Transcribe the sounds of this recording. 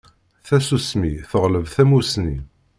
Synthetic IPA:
θæsusmiθəʁləvθæmusni

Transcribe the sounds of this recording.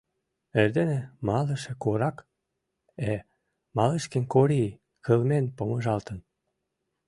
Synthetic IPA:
erd̪enĕmɑlə̆ʃĕkoɾɑk | e | mɑleʃkĕnkoɾi | kəlmenpomə̆ʒɑlt̪ə̆n

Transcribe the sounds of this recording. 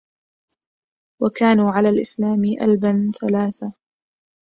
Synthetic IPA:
wakaːnuːʕalaːlʔɪslaːmɪʔa̰lbanθalaːθa

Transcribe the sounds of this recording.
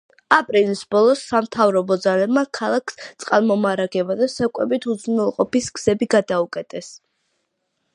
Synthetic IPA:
apʼɾilisbɔlˠɔsːamt̪ʰavɾɔbɔd̪zalɛbmakʰalˠakʰst̪sʼqʼalˠmɔmaɾaɡɛbad̪asɛkʼwɛbit̪ʰud̪znɛlˠqʼɔpisɡz̥ɛbiɡad̪aukʼɛt̪ʼɛs

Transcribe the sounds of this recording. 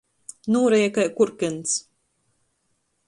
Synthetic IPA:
nuːɾɛjɛkakuɾkʲɨns

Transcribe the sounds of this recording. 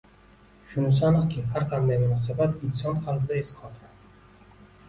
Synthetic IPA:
ʃʊnʊsanakʲʰɪhaɾqʰɑnd̪ajmʊnɒsabat̪ɪnsɒnqʰalfɪd̪aesɪ̥qʰɒt̪ʰɾa

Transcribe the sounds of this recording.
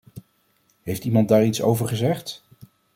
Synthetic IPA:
ɦejftimɑnt̚daːɹitso̰wvəɹχəzɛχt

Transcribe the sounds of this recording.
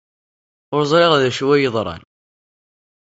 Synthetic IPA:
ʊɾzˤɾeʁæðæʃwæjəðˤɾˤɑ̰n

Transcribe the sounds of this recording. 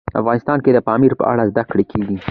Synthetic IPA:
a̰fɣɑnɪst̪ɑnked̪əpɑmiɾpə̰ʔa̰ɽazd̪akɽekʰeɡi

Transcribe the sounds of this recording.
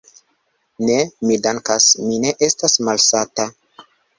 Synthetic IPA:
ne̞midaŋkasmine̞ʔe̞stasmalsata

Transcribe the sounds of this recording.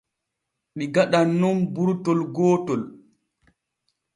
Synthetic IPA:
ɗiɡaɗanːumbuɾtɔlɡɔːtɔl

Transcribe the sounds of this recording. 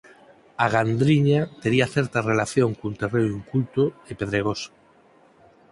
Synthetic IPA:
aɣand̪ɾiɲat̪eɾiaθeɾt̪arelaθjoŋkunt̪ereniŋkult̪oepeðɾeɣ̞osḁ

